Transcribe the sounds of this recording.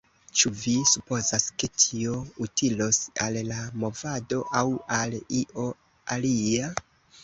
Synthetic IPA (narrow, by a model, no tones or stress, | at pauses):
t͡ʃuvisupo̞zaske̞tʰio̞utʰilo̞sa̰lːamo̞vado̞ʔawaliʔo̞ | alia